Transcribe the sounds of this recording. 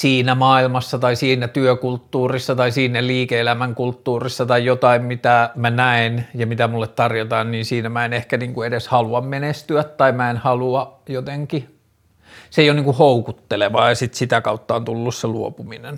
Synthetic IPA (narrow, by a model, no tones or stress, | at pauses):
siːnæmɑːilmɑsːɑt̪ɑisiːnæt̪yøkult̪ːuːrisːɑt̪ɑisiːnælliːkeelæmæŋkult̪ːuːrisːɑt̪ɑijjot̪ɑimmit̪æmænæinjɑmit̪æmulːet̪t̪ɑrjot̪ɑːnniːnsiːnæmæenehkæniːŋkuedeshɑluɑmmenest̪yæt̪t̪ɑimæenhɑluɑjot̪eŋki | seijoniːŋkuhoukut̪ːeleʋɑːjɑsit̪sit̪ækɑut̪ːɑont̪ulːusseluopuminen